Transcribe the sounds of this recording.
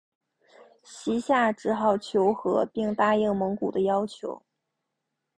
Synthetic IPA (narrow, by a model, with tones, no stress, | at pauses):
ɕi˧˥ɕja˥˩ʈ͡ʂɻ̩˧˥xɑ˨˩ʊt͡ɕʰjo˧˥ʊxɤ˧˥pi˥˩ŋt̪a˥˧jɤ˥˩ŋmɤ˧˥ŋku˨˩d̪ə˦jɑ˥ʊt͡ɕʰjo̰˧˥ʊ